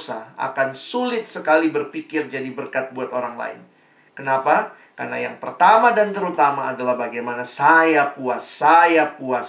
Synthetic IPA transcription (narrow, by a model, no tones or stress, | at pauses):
sa̰ha̰kansulɪt̪̚səkalibərfikɪrd͡ʒadibərkat̪̚buat̪oɾaŋla̰ɪ̰n | kənapa | ka̰rna̰jaŋpərt̪amadant̪əɾut̪amaːdalahbaɡajmanasajapuasajapuas